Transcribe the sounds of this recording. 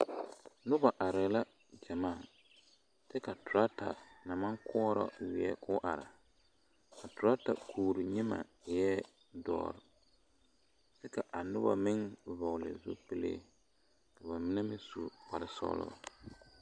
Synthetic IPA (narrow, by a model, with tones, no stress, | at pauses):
nʊ˦ba˨ʔa˨ɾɪ˨la˦ | d͡ʒa˨maː˦˨ | tɛ˦ka˨tʊ˨ɾa˦ta̰˨na˨ma˦ŋkʰɔ˦ɾɔ̰˦wɪ˨˦ɛ̰˦kʰʊ˦ʔa˨ɾa˨ | ka˨tʊ˨ɾa˦ta˨kʰuː˨ɾi˨ɲɪ˦ma̰˨jɛ˦ | dɔ̰ː˨ɾɪ˨ | sɛ˦ka˨ʔa˨nʊ˦ba̰˨mɪ˦ŋ˨vɔ˨lɪ̰˨zṵ˦pɪ˦lḛ˦ | ka˨ba˨mɪ˦nɛ˦mɪ̃˦su˨k͡pa˨ɾɪ˨sɔ̰˦lʊ̰˦˨